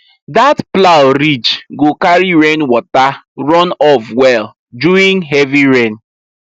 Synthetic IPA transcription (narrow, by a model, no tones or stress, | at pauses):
datplaʊɾid͡ʒɡokaɾiɹenwɔtaɾɔnɔfwɛl | d͡ʒuĩŋɦɛviɹẽn